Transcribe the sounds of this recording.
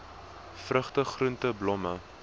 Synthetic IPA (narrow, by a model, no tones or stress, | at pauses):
frəχtəχruntəblɔmə